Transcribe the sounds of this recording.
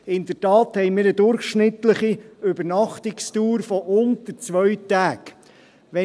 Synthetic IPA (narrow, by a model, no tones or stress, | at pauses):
ɪnd̥̪ətɑːthɛjmɪːɾəd̪ʊɾχʃnɪt̪ləχiɵbəɾnɑχt̪ɪkstuːɾfɔʔʊnt̪əɾt͡sʋœɥtæːk | ʋɛ